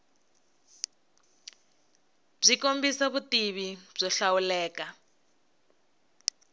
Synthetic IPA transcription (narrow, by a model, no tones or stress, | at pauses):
b͡ʐʷikombisaβutiβib͡ʐɔɬawulɛːka